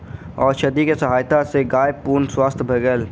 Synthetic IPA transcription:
ɔːɾʃɐd̪ikesɐɦaːjt̪aseɡaːjpuːɾnswaːst̪ʰbʱɐɡəl

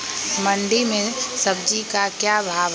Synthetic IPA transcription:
mə̃ɳɖimẽsɐb̚d͡ʒikakjaːbʱaːʋ

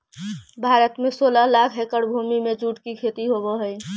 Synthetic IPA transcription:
bʱaːɾət̪mẽsoːlalakʰɦekəɽbʱuːmimẽd͡ʒuːʈkikʰeːt̪iɦoboɦəj

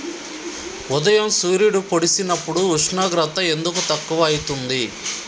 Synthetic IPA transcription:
ud̪ɐjɐmsuːɾijuɽupo̞ɽisinɐpːuɽuːʂɳaːɡɾɐt̪ːɐe̞nd̪ukut̪ɐkːuʋɐːjit̪und̪i

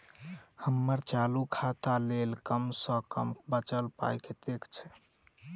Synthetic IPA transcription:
həmːəɾt͡ʃalukʰat̪alelkəmsə̃kə̰mbət͡ʃəlpa̰jket̪ekʰt͡ʃʰɛ̥

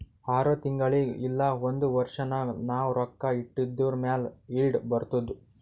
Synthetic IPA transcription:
aːɾot̪iŋɡɐɭiilːɐond̪uʋɐɾʂɐnɐnaːwɾɔkːɐiʈːid̪ːuːɾmjaːlilɖbɐɾt̪ud̪u

